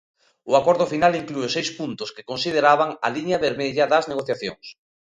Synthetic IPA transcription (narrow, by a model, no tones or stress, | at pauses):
ʊakɔɾðʊfinaliŋkluʊsejspunt̪ʊske̥konsið̞eɾaβaŋa̰liɲaβeɾmɛʎaðɐzneɣoθjaθjo̰ŋs